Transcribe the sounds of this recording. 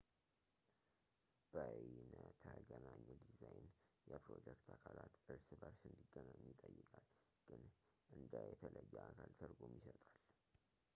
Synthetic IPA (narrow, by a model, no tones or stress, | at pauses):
b̥əʔjinət̪ʰəɡənaɲːɛd̪izajnjɛpɾo̞d͡ʒɛkt̪ʰakʰalat̪ʔɨɾsɨbəɾsɨnd̪iɡːənaɲːɪt̪ʼəjːɨkʼal | ɡ̥ɨn | ʔɨnd̪əjɛt̪ʰələjːɛʔakʰalt̪ʰəɾɡomjisət̪ʼal